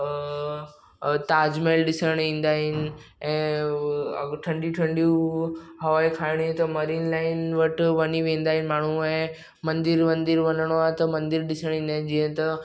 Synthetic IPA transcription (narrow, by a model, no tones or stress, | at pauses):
t̪aːd͡ʑmelɗɪsəɽ̃ĩːnd̪aːɦɪnɪ̆ɛ̃ː | ɐ̰ʈʰɐ̃ɳɖijuʈʰɐ̃ɳɖijuɦɐʋaːikʰaːɪɽ̃iẽt̪ɐmɐɾiːnlaːɪnʋɐʈʋɐniʋẽːn̆d̪aːɦɪnɪ̆maːɳ̤uɛ̃ː | mɐ̃nd̪ɪɾmɐ̃nd̪ɪɾʋɐnəɽ̃oat̪ɐmɐ̃nd̪ɪɾɗɪsəɽ̃ĩːnd̪aːɦɪ̃nɪd͡ʑiːɦə̃t̪ɐ